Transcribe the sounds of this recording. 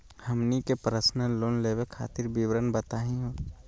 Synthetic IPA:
hɐmnikepɾəsnəloːnleːwekʰa̰ːt̪ɪɾbiwɾənbət̪aːɦĩɦoː

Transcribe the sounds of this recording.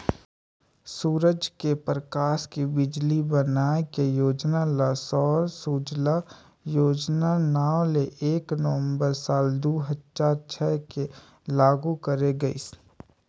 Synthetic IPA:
suːɾəd͡ʒkepɾəkaːʃkibɪd͡ʒlibənaːekejoːd͡ʒnalasɔːɾsuːd͡ʒla | joːd͡ʒnanaːwleʔeːknəʋə̃mbəɾsaːld̪uːɦətt͡ʃaːɾt͡ʃʰɛːke | laːɡukəɾeɡəḭs

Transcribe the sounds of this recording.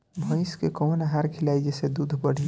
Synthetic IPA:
bʱə̃ɪskekɔnəɦaɾkʰilaid͡ʒesed̪ud̪ʱbəɽ̤i

